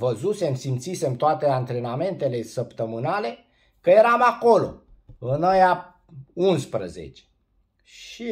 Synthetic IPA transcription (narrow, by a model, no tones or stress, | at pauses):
vəzuse̞msimt̪sise̞mt̪oat̪e̞ant̪ɾe̞name̞nt̪e̞le̞səpt̪əmɨnale̞ | kəje̞ɾamako̞lo̞̰ | ɨnaja | unspɾə̰zḛt͡ʃe̥ | ʃi